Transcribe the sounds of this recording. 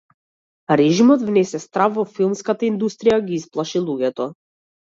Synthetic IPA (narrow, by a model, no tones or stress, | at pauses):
ɾɛʒimɔd̪vnɛsɛst̪ɾafvɔfilˠmskat̪aind̪ust̪ɾijaɡiisplˠaʃilˠuɡɛt̪ɔ